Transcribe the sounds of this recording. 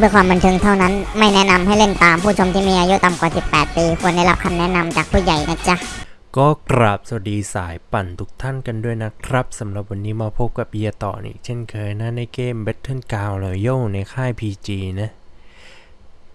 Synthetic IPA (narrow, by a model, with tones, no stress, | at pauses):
bɯ˧˥˧kʰwaː˧mba˧nt̪ʰɯ˧ŋt̪ʰa˥˩wna˦˥nma˥˩jnɛ˦˥na˧mhɦa˥˩jle˥˩nt̪aː˧mpʰuː˥˩t͡ɕʰo˧mt̪ʰiː˥˩miː˧ʔaː˧ju˦˥t̪a˨mkwaː˨˩si˨˩pːɛː˨˩t̪̚piː˧kʰu˧˥ənda˥˩jla˦˥p̚kʰa˧mnɛ˦˥ʔna˧mt͡ɕaː˨˩k̚pʰuː˥˩ja˨˩jna˦˥t͡ɕa˦˥ | kɔː˥˩kɾa˨˩p̚sa˨˩diː˧saː˩˦jpa˨˩nt̪ʰu̥˦˥k̚t̪ʰa˥˩nka˧ndu˥˩əjna˦˥kʰɾa˦˥p̚sa˩˦mɾa˨˩p̚wa˧nːiː˦˥maː˧pʰo˦˥p̚ka˨˩p̚ji˧ɐt̪ɔ̰ː˨˩nʔḭː˨˩k̚t͡ɕʰe˥˩nkʰɤː˧jna˦˥na˧jkeː˧mbe˦˥t̪ʰːɯ˥˨nkaː˧wlɛː˨˩wjo˥˩wna˧jkʰaː˥˩jpʰiː˧t͡ɕiː˧na˦˥